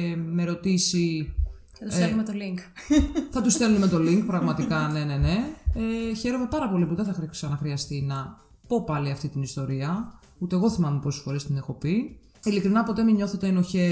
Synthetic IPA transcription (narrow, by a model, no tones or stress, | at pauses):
meɾo̞t̪isi | ɐt̪usemet̪oliŋkθɐt̪use̞luneme̞t̪o̞liŋkpɾɐɣmɐt̪ikɐne̞ne̞ne̞eçe̞ɾo̞me̞pɐɾɐpo̞lipuðeθɐxɾisɐnɐxɾiɐst̪inɐ | po̞pɐliɐft̪it̪inist̪o̞ɾiɐ | ut̪eːɣo̞θimɐmeposi̥sfo̞ɾest̪inexo̞pi | ilikɾinɐpo̞t̪e̞miɲo̞θe̞t̪e̞noçe̞